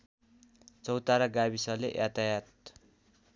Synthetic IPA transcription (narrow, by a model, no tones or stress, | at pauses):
t͡sʌwt̪aɾaɡaβisʌlḛʔjat̪ajat̪̚